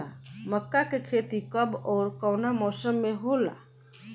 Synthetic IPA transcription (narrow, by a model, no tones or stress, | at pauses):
aməkːakekʰet̪ikəbɔːɾkəwnamɔsəmːeɦola̰